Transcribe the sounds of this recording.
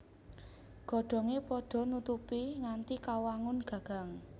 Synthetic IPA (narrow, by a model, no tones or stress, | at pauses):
ɡ̥ɔ̤ɖ̥ɔ̤ŋepɔɖ̥ɔ̤nut̪upiŋant̪ikawaŋʊnɡ̥a̤ɡ̥a̤ŋ